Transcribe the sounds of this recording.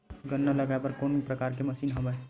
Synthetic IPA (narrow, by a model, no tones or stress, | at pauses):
ɡɐnːalɐɡabɐɾkoːnipɾɐkaːɾkemɐsiːnɦɐma